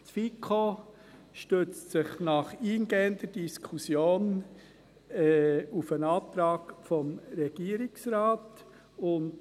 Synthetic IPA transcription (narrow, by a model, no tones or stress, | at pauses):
t͡sfikʰo | ʃtøt͡stsɪχnɑχiːnɡ̥eːənd̥əɾd̥iskʰusjoːn | ɛufənɑːt̪ɾɑːɡfɔmɾɛɡ̥iːəɾɪksɾɑːt | ʊnd